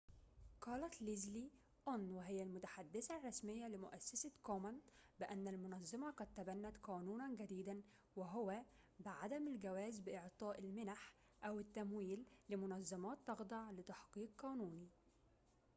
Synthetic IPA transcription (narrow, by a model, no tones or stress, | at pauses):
qɑːlɑt̪lizli | ʔonwɪɦɪjːælmʊt̪ḁħad̪ːɪsærˤːɑsmɪjːælɪmʊʔæsːasækoːmænbɪʔænːælmʊnɑzˤːɑmɑqɑd̪̚t̪ːæbænːæt̪qɑːnuːnænɡæd̪iːd̪æn | wɪɦʊwæ | bɪʕad̪æmɪlɡæwæːzbɪʔɪʕt̪ˤɑːʔɪlmɪnaħ | ʔæwɪt̪ːæmwiːlːɪmʊnɑzˤːɑmɑːt̪ːɑɣd̪ˤɑʕlɪt̪ɑħqiːqːɑːnuːni